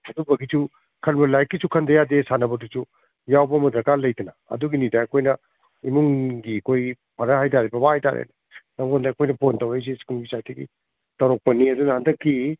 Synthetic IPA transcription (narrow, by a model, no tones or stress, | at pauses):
ɐdubɐɡisu | kʰɐlbɐlajkːisukʰɐndɐjadesanɐbɐtusu | jawbɐmɐdɐɾkaɾlɐjtɐnɐɐ̰duɡinidɐːkʰojnɐ | imuŋɡiɐkʰoj | pʰɐɾɐhajtaɾibɐbahajta̰ɾḛnɐ | nɐŋondɐːkʰojnɐpʰontɐwejs̬iskulbisajtɐɡḭ | tɐwɾok̚pɐniɐdunɐhandɐkʰːi